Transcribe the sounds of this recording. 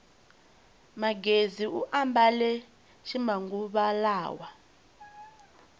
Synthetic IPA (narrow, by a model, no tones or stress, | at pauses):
maɡeziuʔambalɛ | ʃʰimaŋɡuɓalaːwa